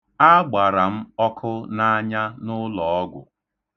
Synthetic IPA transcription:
a˦ɡ͡ba˨ɾa˨m̩˦ɔ˦kʰʊ˦na˦a˦ɲa˦nʊ˦lɔ˨ɔ˦ɡʷʊ̰˨

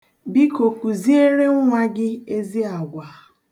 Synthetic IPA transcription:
bi˦ko˨ku˨zi˦e˦ɾe˦ŋ˦ŋʷa˦ɡɪ˦e˦zi˦a˨ɡʷa˨˦

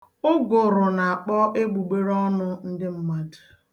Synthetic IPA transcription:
ʊ˦ɡʊ˨ɾʊ˨na˨a˨k͡pɔ˦ʔe˦ɡ͡bu˨ɡ͡be˦ɾɔ˦nʊ˦n̩˦dɪ˦m̩˦ma˦d

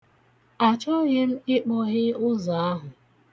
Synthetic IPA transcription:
a˨t͡ʃɔ˦ɲe˦m̩˦ɪ˦k͡pɔ˦ɣɪ˦ʊ˦za˨a˦ɦʊ˨

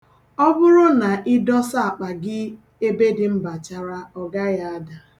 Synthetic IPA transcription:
ɔ˦bʊ˦ɾʊ˦na˨ʔɪ˦dɔ˦sa˦a˨k͡pa˨ɡɪ˦ | e˦be˦dɪ˨m̩˦ba˨t͡ʃa˨ɾa˦ɔ˨ɡa˦ja˦a˦da˨

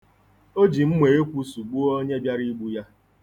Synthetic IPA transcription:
o˦d͡ʒi˨m̩˦mʷe˨e˦kʷu˦su˨ɡ͡bu˦o˦ɲe˦bja˦ɾi˦ɡ͡bu˦ja˦

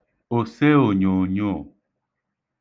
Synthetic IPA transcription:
o˨sɛ˦o˨ɲõ˨ɲɔ̃˦˨

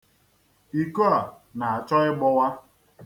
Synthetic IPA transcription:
i˨ko˦a˨ | na˨a˨t͡ʃɔ˦ɪ˦ɡ͡bɔ˦wa˦

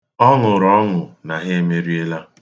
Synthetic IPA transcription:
ɔ˦ŋʊ˨ɾɔ˦ŋʊ˨na˨ɦe˦e˦me˦ɾi˦e˦la˦

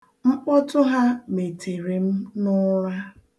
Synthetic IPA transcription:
ŋ͡m̩˦k͡pɔ˦tʊ˦ɦa˦me˨tʰe˨ɾe˨m̩˦nʊ˦ɾa˦

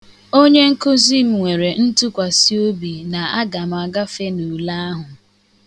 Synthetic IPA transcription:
o˦ɲe˦ŋ̩˦kʊ˦zi˦m̩˨ŋʷe˨ɾe˨n̩˦tʊ˦kʷa˨si˦o˦bi˨na˨a˦ɡa˨m̩˨a˨ɡa˦fe˦nu˨la˦a˦ɦʊ˨

